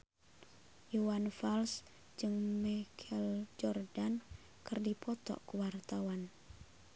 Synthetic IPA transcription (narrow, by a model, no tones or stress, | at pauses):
juwanfals | d͡ʒɨŋmɛkʰɛld͡ʒɔrdan | kɨrdipɔt̪ɔ̰ʔkuwart̪awan